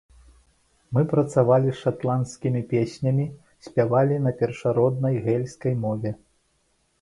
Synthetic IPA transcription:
mɨpɾɐt̪savalʲisʂat̪lˠanskʲimʲipʲesʲnʲɐmʲi | sʲpʲavalʲinɐpʲɛrʂaɾɔd̪̚nɐjɣɛlʲskɐjmɔvʲɛ

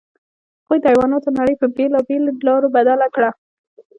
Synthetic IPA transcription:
hhaɣujd̪əɑjwɑnɑt̪onaɽəjpəbelɑbelolɑɾobad̪alakɽa

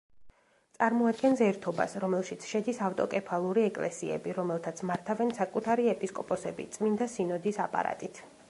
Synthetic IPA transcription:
t̪sʼaɾmɔad̪̚ɡɛnsɛɾt̪ʰɔba̰sɾɔmɛlˠʃit̪sʰʃɛd̪isaft̪ʼɔ̰kʼɛpʰalˠuɾiɛkʼlɛ̰sḭɛ̰biɾɔmɛlˠt̪ʰat̪sʰmaɾt̪ʰavɛnsakʼut̪ʰaɾiɛpʼiskʼɔpʼɔsɛbḭt̪sʼmind̪asinɔd̪isapʼa̰ɾa̰t̪ʼit̪ʰ

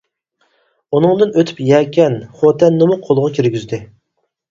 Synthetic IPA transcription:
unɨŋd̪ɨnøt̪ʰy̥pjɛːkʲʰɛnχot̪ʰɛnːɨmʊqʰolˠʁɑkʲʰiɾɡʲyzd̪ɪ

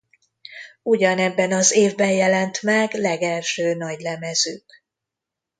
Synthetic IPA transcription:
uɟɒnɛbːɛnɒzeːvbɛnjɛlɛnt̪mɛɡlɛɡɛlʃøːnɒɟlɛmɛzøːk

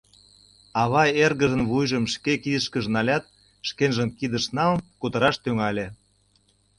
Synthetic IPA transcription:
ɑβɑerɣəʒə̆nβujʒəmʃkekiəʃkəʒnɑlʲɑt̪̚ | ʃkenʒəmkid̪ə̆ʃnɑlkut̪əɾɑʃt̪yŋɑlʲe

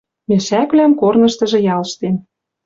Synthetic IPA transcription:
mĕʃækβlæmkornɤ̆ʃt̪ɤ̆ʒɤ̆jɑlʃt̪em

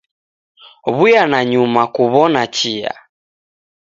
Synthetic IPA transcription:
βujanaɲumakuβɔnat͡ʃia̰

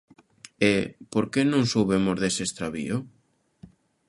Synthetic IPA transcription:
epoɾkenõŋsowβemozðesest̪ɾaβḭʊ

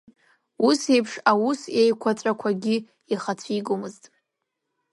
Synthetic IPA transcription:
use̞jpʰʂawusejkʷʰat͡sʼakʷʰaɡʲi | iχat͡sʷʰiɡʼɨmɨztʼ

